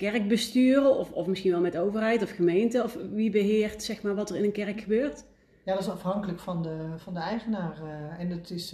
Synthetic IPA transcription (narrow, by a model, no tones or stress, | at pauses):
kɛrk̚bəstyːrəʔɔfɔ̰fmɪsxinʋɛlˠmɛtowvərɦɛjtɔfχəmejntəɔfʋibəɦɪːrtsɛxmaːɹʋɑtərɪnənkɛrəkxəbøːrt | jaːdɑtɪsɑfɦɑŋkələkfɑndəvɑndəɛjχənaːrɛnɑtɪs